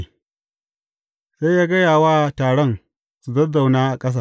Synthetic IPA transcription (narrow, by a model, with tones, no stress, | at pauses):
sa˦jaː˦ɡɐ˦jaː˨waː˦taː˨ɽɔ˦n | su˨dɐ˦da˨wnaː˦ʔa˨kʼɐ˦s̬aː˦˨